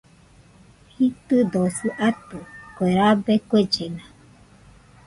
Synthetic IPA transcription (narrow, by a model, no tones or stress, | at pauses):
hit̪ɨd̪osɨʔat̪ukʷeɾabekʷed͡ʒena